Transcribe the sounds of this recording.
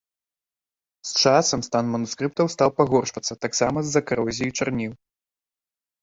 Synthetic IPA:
st͡ʂasɐmst̪anmɐnuskɾɨp̚t̪ɐwst̪awpaɣɔrʂvɐt̪sːɐt̪aksamɐzːɐkaɾɔzʲijit͡ʂarnʲiw

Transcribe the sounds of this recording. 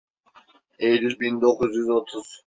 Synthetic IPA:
ejlilʲbind̪okʰuzjyzot̪ʰuz̥

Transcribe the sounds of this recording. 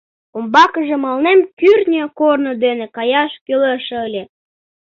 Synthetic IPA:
ombɑkəʒĕmɑlnemkyrnʲøkornod̪enekɑjɑʃkøleʃəlʲe

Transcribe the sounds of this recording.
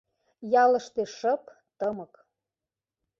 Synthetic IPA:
jɑlɤ̆ʃt̪eʃɤp | t̪əmɤk

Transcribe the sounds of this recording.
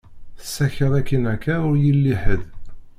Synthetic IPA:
θə̥sːæçəðˤækːinækːæʊɾjilːiħəð

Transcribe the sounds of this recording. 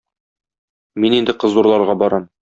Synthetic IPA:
minind̪ɘqɤ̆zuɾlˠɑɾʁɑbɒɾɑm

